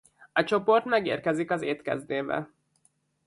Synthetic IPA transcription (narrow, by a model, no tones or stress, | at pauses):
ɒt͡ʃo̞po̞rt̪mɛɡḛːrkɛzikɒzeːt̪kɛ̰zd̪eːbɛ̰